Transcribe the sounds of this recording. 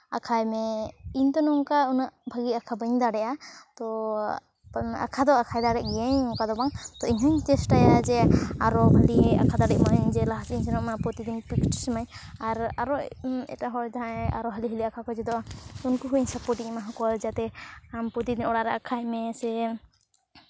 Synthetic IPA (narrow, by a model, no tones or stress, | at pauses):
a̰kʰajmɛint̪ɔnɔŋkaunaʔbʱaɡiakʰabəɲd̪aɽɛʔat̪ɔ | a̰kʰad̪ɔakʰajd̪aɽɛʔ̚ɡɛɛɲɔŋkad̪ɔbaŋt̪ɔiɲɦaɲtɛsʈajad͡ʒɛaɾɔɦalia̰kʰad̪aɖɛʔmaɲd͡ʒɛlaɦasiɲsɛnɔʔmapɾɔt̪id̪iɲpikʈsmajaɾaɾɔʔɛ̰taɦɔjt̪aãɛa̰ɾɔɦaliɦəliakʰakɔd͡ʒɛd̪ɔʔaunkuɦuiɲsapɔʈiʔmaɦãkɔld͡ʒat̪ɛampɔt̪id̪iɲɔɽaɾaʔakʰajmɛsɛ